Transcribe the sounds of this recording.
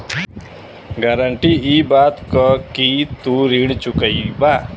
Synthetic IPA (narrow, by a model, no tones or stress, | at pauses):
ɡaɾəɳʈiiːbaːt̪kəkit̪uɾiːɳt͡ʃʊkəibaː